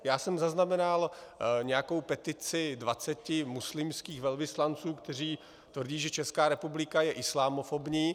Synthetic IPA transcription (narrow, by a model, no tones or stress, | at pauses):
jaːsɛmzaznamɛnalɲɛjako̞wpɛt̪ɪt͡sɪdvat͡sɛcɪmuslɪmskiːxvɛlvɪslant͡suːkt̪ɛr̝iː | t̪vr̩ɟiːʒɛt͡ʃɛskaːɾɛpublɪkajɛʔɪslaːmofobɲiː